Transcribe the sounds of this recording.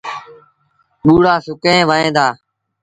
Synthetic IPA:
ɓuːɽaːsʊkẽːʋəːẽːd̪aː

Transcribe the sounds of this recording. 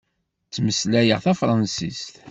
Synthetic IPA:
t͡sːməslæjəʁθæfɾˤɑnsḭst̪

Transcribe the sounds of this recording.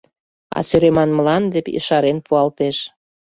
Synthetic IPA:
ɑ̰søɾemɑnməlɑnd̪epḭʃɑɾenpuɑlt̪eʃ

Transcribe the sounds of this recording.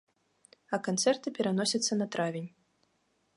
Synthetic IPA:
ɐkant̪sɛrt̪ɨpʲɛɾanɔsʲɐt̪sːɐnɐt̪ɾavʲenʲ

